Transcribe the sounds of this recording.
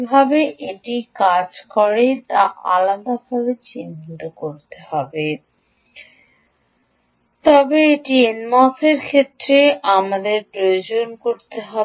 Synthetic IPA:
bʱabeʔeʈikad͡ʑkɔɾet̪aʔa̰lad̪abʱabet͡ɕint̪okoɾt̪ehɔbe | t̪ɔbeeʈienmaseɾkʰet̪ːɾeamad̪eɾpɾojod͡ʑonkoɾt̪eɦɔ

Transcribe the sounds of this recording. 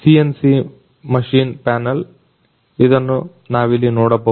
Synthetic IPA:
siensi | mɐʂiːnpaːnɐl | id̪ɐnːu | naːʋilːinɔːɽɐbɐ

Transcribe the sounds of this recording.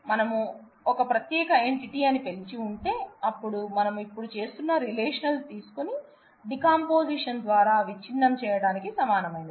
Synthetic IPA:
mɐnɐmu | ɔkɐpɾɐt̪jɛːkɐeɳʈiʈiːɐnipe̞lt͡ʃiuɳʈe̞ːɐpːuɽumɐnɐmuipːuɽut͡ʃe̞ːst̪unːɐɾileːʂɐnɐlt̪iːsu̥koni | ɖikaːmpo̞ːsiʂɐnd̪ʋaːɾaːʋit͡ʃːinːɐmt͡ʃɛːjɐɽaːnikisɐmaːnɐmɐjind̪i

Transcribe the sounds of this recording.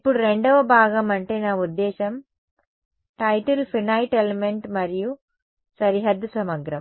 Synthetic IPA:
ipːuɽuɾe̞ɳɖɐʋɐbʱaːɡɐmɐɳʈeːnaːud̪ːɛːʃɐm | ʈɐjʈɐlpʰinɐjʈelemeɳʈmɐɾiju | sɐɾiɦɐd̪ːusɐmɐɡɾɐm

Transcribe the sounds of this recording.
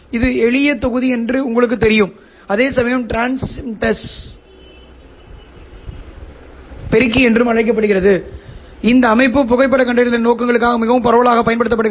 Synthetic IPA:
ɪðɯɛɭɪjɐt̪ːɔɣɯðiɛndrɯʊŋɡɐɭɯk̬ːɯt̪ːɛɾɪjɯm | ɐðeːsɐmɐjɐmʈɾaːnst̪ːɐs | pɛɾɪk̬ːiɛndrɯmɐɻɐɪk̬ːɐpːɐɽɯɣɪrɐðɯ | ɪnd̪ɐːmɐɪpːɯp̬ːʊɣɐɪp̬ːɐɽɐkɐɳɖɐɪɾɐɪnoːkːɐŋɡɐɭɯk̬ːaːɣɐmɪɣɐʋɯmpɐɾɐʋɐɭaːɣɐpːɐjɐnpɐɽɯt̪ːɐpːɐɽɯ

